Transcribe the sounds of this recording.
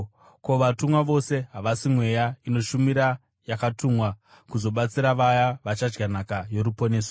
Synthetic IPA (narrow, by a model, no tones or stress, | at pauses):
ko̞ʋatumwaʋo̞se̞ɦaʋasimwe̞jaino̞ʃumiɾa | jakatumwa | kuzo̞ɓat͡siɾaʋajaʋat͡ʃad͡ʒɡanakajo̞ɾupo̞ne̞ːso̥